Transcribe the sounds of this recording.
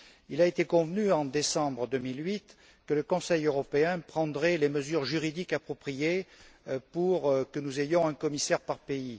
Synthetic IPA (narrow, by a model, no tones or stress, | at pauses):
ilaet̪ekɔ̃vnyɑ̃d̪esɑ̃bʁəd̪ømilɥit̪ | kələkɔ̃sɛjøʁɔpeɛ̃pχɑ̃d̪ʁɛleməzyʁʒyʁid̪ikapχɔpχije | puʁkənuzejɔ̃ɛ̃kɔmisɛʁpaʁpei